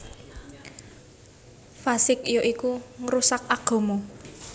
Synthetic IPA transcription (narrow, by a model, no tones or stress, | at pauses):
fasɪkijoʔikuŋɾusakaɡ̥o̤mo